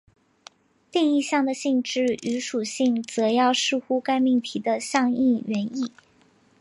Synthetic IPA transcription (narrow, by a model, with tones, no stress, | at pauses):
t̪i˥˧ŋi˥˧ɕjɑ˥˩ŋd̪ə˩ɕi˥˧ŋʈ͡ʂɻ̩˥˩y˧˥ʂu˨˩ɕi˥˩ŋt͡sɤ˧˥jɑ˥˧ʊʂɻ̩˥˧xu˥ka˥ɪmi˥˩ŋt̪ʰi˧˥d̪ə˧ɕjɑ˥˧ŋi˥˩ɥɛ˧˥ni˥˩